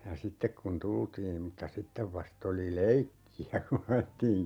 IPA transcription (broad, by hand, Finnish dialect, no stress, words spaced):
jɑ sitːek kun tultiːm mutːɑ sitːeʋ ʋɑst oli leikːiæ kun ɑjetːiːŋ